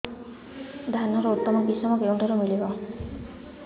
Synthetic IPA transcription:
d̪ʱanɔɾɔut̪ːɔmɔkisɔmɔkeũɳʈʰɔɾumilibɔ

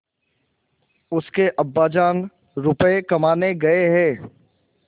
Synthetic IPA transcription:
ʊskeʔɐbːaːd͡ʒaːn | ɾʊpəekɐmaːneɡɐeɦɛ̃ː

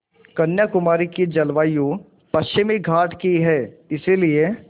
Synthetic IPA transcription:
kɐnjakʊmaːɾikid͡ʒɐlʋaːjo | pɐtʃɪmeɡʱaːʈkiɦɛːɪsilie

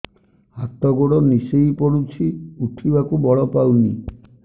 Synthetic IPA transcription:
hat̪ɔɡoɽɔnisejpɔɽut͡ʃʰiuʈʰibakubɔɭɔpawni

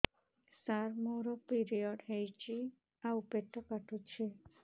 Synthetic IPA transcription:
saɾmoɾɔpiɾijɔɖɦejt͡ʃi | aupet̪ʰːɔkaʈʰut͡ʃʰe

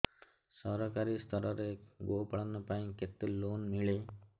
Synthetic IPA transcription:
sɔɾɔkaɾist̪ʰɔɾɔɾeɡopaɽɔnɔpaĩket̪elonmiɭe

